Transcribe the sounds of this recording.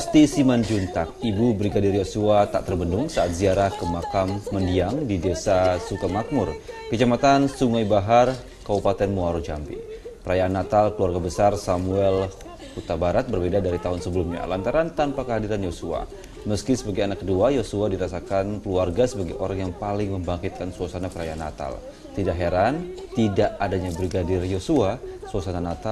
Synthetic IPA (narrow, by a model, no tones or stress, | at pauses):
past̪isimand͡ʒunt̪ak̚ibubɾiɡadɪrjosuat̪a̰ʔt̪ərbəndʊŋsaat̪̚ziaɾahkəmakamːəndiaŋdidesasukamak̚mʊrkət͡ʃamat̪ansuŋajbaɦar | kabupat̪ɛnmuaɾud͡ʒampḭpəɾajaːnːat̪alkəluarɡabəsarsamuɛl | hut̪abaɾat̪̚bərbedadaɾit̪aɦʊnsəbəlumɲa̰lant̪aɾant̪anpakəɦadiɾanjosua̰ | məskisəbaɡajanakːəduajosuadiɾasakankəluarɡasəbaɡajʔoɾaŋjaŋpalɪŋməmbaŋkit̪̚kansuasanapəɾajaanːa̰t̪a̰l | t̪idaʔɦɛɾant̪idaʔadaɲabɾiɡadɪrjosuasuasananat̪a